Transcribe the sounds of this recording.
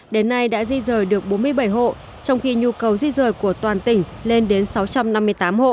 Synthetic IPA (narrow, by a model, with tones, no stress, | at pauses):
ɗe˨˦nːa˧jɗa̰ː˧˥zi˧zəː˨˩jɗɨ˨˩ək̚ɓo˨˦nmɨ˧əjɓə˧˩jɦo̰˧˨ | t͡ɕɔ˧wŋ͡mxi˧ɲu˧kə˨˩wzi˧zəː˨˩jku˧˩ət̪waː˨˩nt̪ï˧˩ŋ̟ | le˧nɗe˨˦nsa˨˦wt͡ɕa˧mna˧mːɨ˧əjt̪aː˨˦mho̰˧˨ʔ